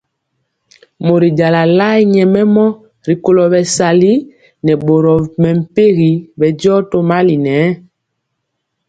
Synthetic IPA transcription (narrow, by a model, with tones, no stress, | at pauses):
mo˨ɾi˨ɟa˨la˨la˦i˦ɲɛ˨mɛ˦mɔ˦ | ɾi˨ko˨lɔ˨bɛ˨sa˨li˦ | nɛ˨ɓo˨ɾɔ˨mɛ˨m̩˨pe˦ɣi˨bɛ˨ɟɔ˦to˦ma˦li˨nɛ˨˦